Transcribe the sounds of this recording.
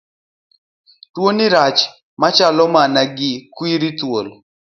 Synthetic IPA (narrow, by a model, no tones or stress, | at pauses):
twoniɾat͡ʃ | mat͡ʃalɔmanaɡɪkwiɾitwol